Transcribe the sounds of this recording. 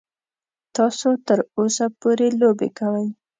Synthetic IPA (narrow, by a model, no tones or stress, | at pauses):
t̪ɑsot̪əɾosapoɾelobḛkawəj